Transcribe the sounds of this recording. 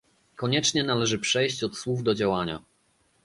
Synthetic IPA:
kɔɲɛt͡ʂɲɛnalɛʐɘpʂɛjɕt͡ɕɔt̪swuvd̪ɔd͡ʑawaɲa̰

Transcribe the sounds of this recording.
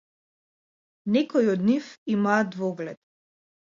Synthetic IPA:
nɛkɔiɔd̪nifimaːd̪vɔɡlɛt̪̚

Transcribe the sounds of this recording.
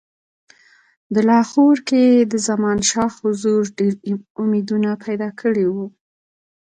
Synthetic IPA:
d̪əlɑxoɾked̪əzamɑnʃɑxhʊzuɾɖeɾʊmed̪unapʰajd̪ɑkʰəɽewu

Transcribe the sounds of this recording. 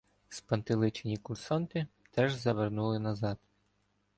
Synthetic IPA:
spɐnt̪ɪlˠɪt͡ʃenʲikʊlʲsɔnt̪ɪ | t̪ɛʒzɐʋernulˠɪnɐzɑd̪

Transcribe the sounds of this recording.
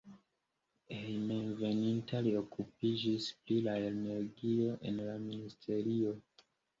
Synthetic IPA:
ejmeve̞nintalio̞kup̚id͡ʒisplilaelneɾɡio̞ʔe̞̰nlaministʰe̞ɾio̞

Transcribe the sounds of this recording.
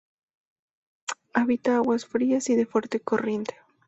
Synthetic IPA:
aβit̪aaɣwasfɾiasiðefwe̞ɾt̪eko̞rje̞nt̪e̥

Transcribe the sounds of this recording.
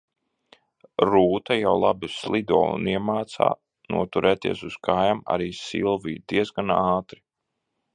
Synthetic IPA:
ɾuːt̪ajawlˠabuslˠid̪ɔɔːṵniɛmaːt̪sa̰ː | nṵɔt̪uɾʔɛːt̪ḭɛsuskʰajama̰ɾiːsḭlˠviːd̪̥iɛzɡanaːt̪ɾi

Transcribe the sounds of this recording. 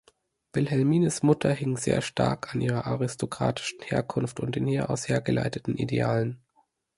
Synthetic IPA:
v̥ɪlɦɛlmiːnəsmʊtʰɐɦɪŋzḛːɐʃtʰa̰ɐkʰanʔiːʁ̞ɐʔaʁɪstʰokʁ̥a̰ːtʰɪ̥ʃn̩heːɐkʰʊnftʊnt̚d̥eːnhiːɐʔaʊsheːɐɡəla̰ɪtətn̩ʔḭdḛaːlən

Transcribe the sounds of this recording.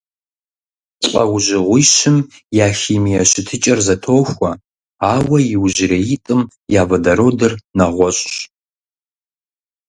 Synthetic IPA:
t͡sʼɐ̰wʒɪʁʷijʃɪm | jaːxiːmijɛɕɪtʰɨt͡ʃʼɐrzɐtʰoːxʷɐ | aːwɐjɪwʒɪɾɐjitʼɨm | jaːvɐdɐɾoːdɐrnɐʁʷɔɕʼɕ

